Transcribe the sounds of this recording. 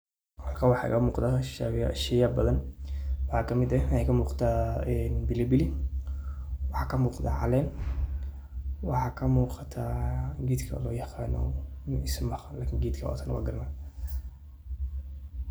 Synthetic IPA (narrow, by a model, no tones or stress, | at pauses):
hɑlkʰawɑħɑ̰kɐmuːqd̪aʃʃɛjɐbɐðɐnwɑħɑːkʰɐmɪd̪ɐnɛkʰɐmuːqt̪ʰaːɛnbɪlɛbɪlɪ | wɑħɑːkʰɐmuːqd̪a̰ʕɑlɛːn | wɑħɑːkʰɐmuːqɑt̪ʰaːɡiːd̪kʰɐ̰lɔːjɑqɑːnɔ̰nɪsmɐχnlaːkʰɪŋɡiːd̪kʰɐwa̰t̪ʰanɐ̰wa̰ːɡɐrma